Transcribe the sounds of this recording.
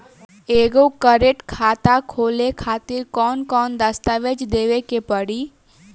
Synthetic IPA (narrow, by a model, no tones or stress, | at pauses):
eːɡokəɾeʈkʰaːt̪akʰoːlekʰaːt̪ɪɾkɔːnkɔːnd̪əst̪aʋed͡ʒd̪eːʋekepəɽiː